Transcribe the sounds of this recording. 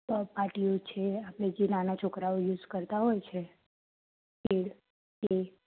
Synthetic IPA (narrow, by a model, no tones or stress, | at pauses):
paʈiot͡ʃʰeapɽ̃ed͡ʒenanat͡ʃʰokɾaojuːd͡ʒkəɾt̪aɦɔjt͡ʃʰe | keɽ | ke